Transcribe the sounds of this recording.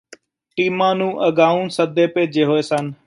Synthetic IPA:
ʈiːmãːnũːʔəɡaːũːnsəd̪eːpeːd͡ʒeːɦoːeːsən

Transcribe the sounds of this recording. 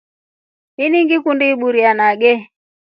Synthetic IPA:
iniŋɡikundiiɓuɾianaɡɛ

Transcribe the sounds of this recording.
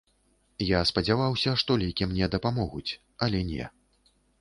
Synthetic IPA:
jaspɐd͡zʲavawsʲɐʂt̪ɔlʲɛjkʲimnʲɛd̪ɐpamɔɣut͡sʲ | ɐlʲɛnʲɛ̰

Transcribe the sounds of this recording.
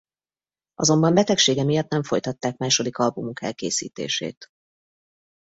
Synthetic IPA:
ʔɒ̰zo̞mbɒmbɛt̪ɛkʃeːɡɛmijɒt̪nɛɱfo̞jt̪ɒt̪ːaːkmaːʃo̞d̪ikɒlbumukɛ̰lkḛːsḭːt̪ḛːʃḛːt̪

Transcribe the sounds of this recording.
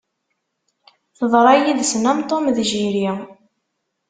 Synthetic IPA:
θəðˤɾˤɑjiðsnæmt̪ˤomðʒiɾja

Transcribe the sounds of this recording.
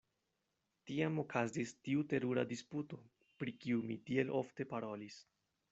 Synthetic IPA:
tiamo̞kʰazistiute̞ɾuɾa̰disputo̞ | pɾikiumitie̞lʔo̞fte̞paɾo̞lis

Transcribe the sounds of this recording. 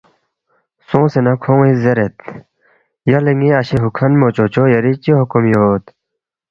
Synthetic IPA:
sõːsenɐkʰõːŋizeɾet̪̚ | jɐleŋɡĩɐɕeɦukʰɐnmoːt͡ɕoːt͡ɕoːjɐɾit͡ɕiɦukumjot̪

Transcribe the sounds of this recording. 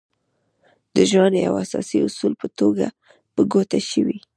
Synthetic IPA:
d̪̥əʒwanja̰wasɑsiʊsulpət̪oɡa | pəɡot̪aʃəwi

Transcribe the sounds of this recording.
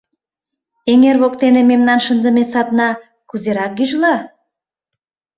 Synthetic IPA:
eŋerβokt̪enememnɑnʃənd̪əmesɑt̪nɑ | kuzeɾɑk̚ɡyʒlɑ

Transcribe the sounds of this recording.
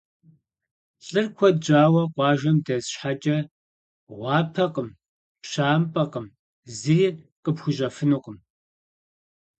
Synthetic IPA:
ɬʼɨrkʷʰɔd͡ʒaːwɐqʷɑːʒɐmdɐzɕħat͡ʃʼɐ | ʁʷɑːpʰɐqəm | pɕaːmpʼɐqəm | zɨjɪrqəpxʷʊʒɐfɨnɨqʷʼəm

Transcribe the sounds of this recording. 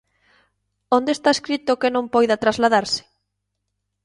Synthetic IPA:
õnd̪est̪aeskɾit̪okɪnõmpɔjðat̪ɾazlaðaɾsɪ̥

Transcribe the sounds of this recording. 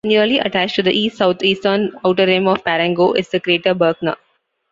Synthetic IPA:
njuəliʔɐʈæt͡ʃʈud̪əʔiːsʈsaʊt̪ʰiːsʈənaʊʈəɾẽːmɔːʋpæɾɛ̃ŋɡoːʔɪzd̪əkɾieːʈəbəːɾɡnə̰

